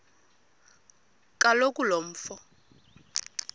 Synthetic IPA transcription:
kʼalokʼulom̩ːfɔ

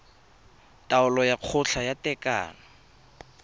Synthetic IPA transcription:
tʼaʊlɔjaq͡χʰʊɬʰajatʼɛka̰ːnɔ

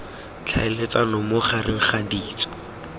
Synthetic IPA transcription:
t͡ɬʰaɪlet͡salɔmʊχarʔɪχadiːt͡sɔ̥

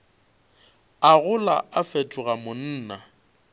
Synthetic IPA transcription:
aɣʊlaafetʼʊɣamʊn̩ːna

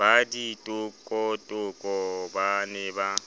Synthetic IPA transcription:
aditʼʊkʼɔtʼʊkʼɔbanɛba

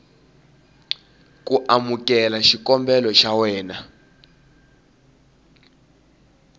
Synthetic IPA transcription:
kuʔamukɛlaʃikɔmbɛlɔʃawɛːna

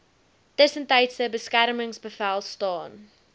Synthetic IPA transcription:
d̥ɪsə̃nteɪtsəbəskæɾəmɪ̃ŋsbəfɛlˠstɔːn

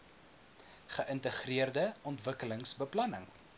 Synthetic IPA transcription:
χəʔəntəχriərdəɔntvəkələŋsbəplɐnəŋ

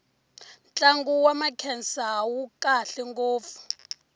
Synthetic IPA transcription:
nt͡ɬʼaŋɡuwamakʰɛnsawukʼaɬɛŋɡoːp̪fu̥

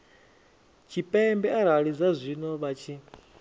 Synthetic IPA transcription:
t͡ʃʰipʼɛmbɛaɾaɺid͡zazʷinɔβat͡ʃʰi

